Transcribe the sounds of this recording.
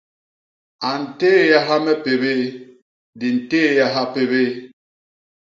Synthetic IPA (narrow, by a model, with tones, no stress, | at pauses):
a˨n̩˨teː˦ja˦ɦa˦mɛ˦pe˨βe˦ | di˨n̩˨teː˦ja˦ɦa˦pe˨βe˦